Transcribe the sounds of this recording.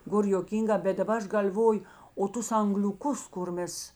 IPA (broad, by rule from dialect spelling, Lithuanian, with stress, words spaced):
ˈɡoːr joːˈkʲiːŋˌɡɑː bʲɛt dɐˈbɐ ˈɐʃ ɡɐlʲˈʋoːjʊ oː ˈtʊs ɐŋɡlʲʊˈkʊs kʊr ˈmʲɛs